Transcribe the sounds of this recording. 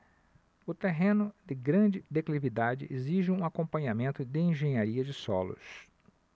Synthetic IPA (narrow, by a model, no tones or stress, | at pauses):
ʊt̪eɦẽnʊd̪ɪɡɾɐ̃d͡ʒɪd̪eklivid̪ad͡ʒɪ̰ʔeziʒɪũakõpɐ̃ɲamẽnt̪ʊd̪ɪẽʒẽɲaɾiɐd͡ʒɪsɔlʊ̰s